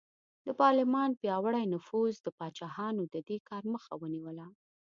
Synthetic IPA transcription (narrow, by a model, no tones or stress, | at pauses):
d̪əpɑɾlɪmɑnpjɑwəɽajnʊfuzd̪əpɑt͡ʃɑhɑnod̪əd̪ekɑɾməxawəniwəla